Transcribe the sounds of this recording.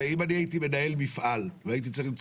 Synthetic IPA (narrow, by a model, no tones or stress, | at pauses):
imaniait̪ime̞nae̞lmifʔalveait̪̬it͡saʁimt͡s